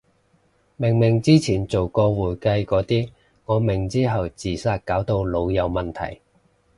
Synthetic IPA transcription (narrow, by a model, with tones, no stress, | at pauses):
mɪ˨˩ŋmɪ˨˩ŋt͡siː˥t͡sʰiː˨˩nt͡so˨wkɔː˧wuː˨˩jkɐ˧jkɔː˨˥t̪iː˥ | ŋɔː˨˧mɪ˨˩ŋt͡siː˥ɦɐ˨wt͡siː˨˩saː˧t̚kaː˨˥wt̪o˧wlo˨˧wjɐ˨˧wmɐ˨˩nt̪ʰɐ̰˨˩j